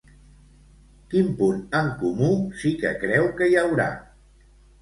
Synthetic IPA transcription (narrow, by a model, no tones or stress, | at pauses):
kimpunəŋkumusikə̰kɾɛwkəjəwɾa̰